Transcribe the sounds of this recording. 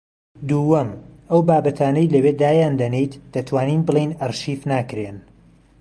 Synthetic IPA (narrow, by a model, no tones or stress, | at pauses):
d̪uːwɐmʔɐwbaːbɐt̪ʰaːnɐjlɐweːd̪aːjaːnd̪ɐnejt̪d̪̥ɐt̪ʰwaːniːnbɨlˠejnɐrʃiːfnaːkɾen